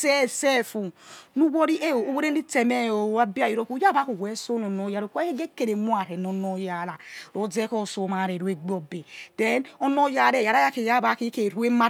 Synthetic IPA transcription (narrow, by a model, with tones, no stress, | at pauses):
sɛ˦se˦fu˨nu˦wɔ˦ɾi˦ʔe˦o˨o˦we˦ɾe˦n˦i˦te˨me˦o˨˦a˦bi˦a˨ji˦ɾo˦ku˦ja˦ba˦ku˨we˨˦so˦no˨no˦ja˨˦ɾo˨kʷke˦ɡe˦kːe˨ɾe˨˦mu˦a˨ɾe˨n˨o˨˦no˦ja˨˦la˨ɾo˨˦d͡ze˦kɔ˦˨so˨˦ma˨ɾe˨ɾu˨˦e˦ɡ͡bo˨be˨d̥e˦nɔ˦no˦ja˦ɾe˨ja˨ɾa˦ja˦ke˨ja˦ba˨˦ki˦ke˨ɾu˦e˦ma˦